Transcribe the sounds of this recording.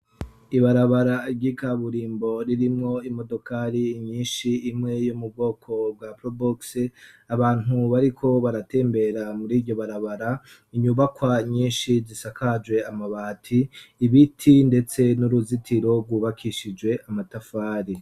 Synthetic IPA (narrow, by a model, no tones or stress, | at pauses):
iβaɾaβaɾaɟikaβuɾiːmbo̞ɾiɾimŋo̞imo̞do̞kʰaːɾiɲiːnʃiːmŋe̞jumub̚ɡo̞ːkʰo̞b̚ɡwapɾoboks | aβaːn̥uβaɾikʰo̞βaɾate̞ːmbe̞ɾamuɾiːɾɟo̞βaɾaβaɾa | iɲuːβakwaɲiːnʃizisakʰad͡ʒwe̞amaβaːtʰiːβitʰinde̞t͡se̞nuɾuzitʰiɾo̞ɡwuːβakʰiʃid͡ʒwe̞ʔamatafaːɾi